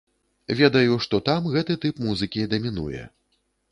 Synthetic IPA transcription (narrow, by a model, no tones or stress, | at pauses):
vʲɛd̪ɐjuʂt̪ɔt̪amɣɛt̪ɨt̪ɨpmuzɨkʲid̪ɐmʲinṵjɛ̰